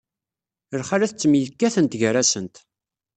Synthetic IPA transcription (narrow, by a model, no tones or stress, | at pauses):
əɾχaɾæθt͡sːəmiəðkːæθənt̪ʝəɾæsənt̪